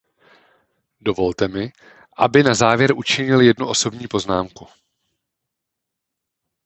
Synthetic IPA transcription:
do̞vo̞lt̪ɛmɪ | ʔa̰bɪnazaːvjɛɾʔut͡ʃɪɲɪljɛdnuʔo̞so̞bɲiːpo̞znaːmku

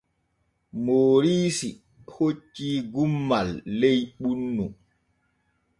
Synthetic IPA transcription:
moːɾiːsi | hot͡ʃːiːɡumːalːejɓunːu

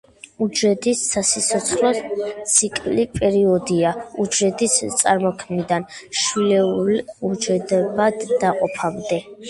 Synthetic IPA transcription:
ud͡ʒɛd̪isːasisʰɔt̪sʰχlɔt̪sʰikʼlipʼɛɾiɔd̪iaud͡ʒɛd̪ʼist̪sʼaɾmɔkʰmid̪anʃwilɛuɾiud͡ʒɛd̪ɛbad̪ːaqʼɔpʰamd̪ɛ

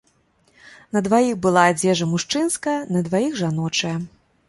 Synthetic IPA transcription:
nɐd̪vajixbɨlˠaːd͡zʲɛʐɐmuʂt͡ʂɨnskɐjɐnɐd̪vajiɣʐanɔt͡ʂɐjɐ

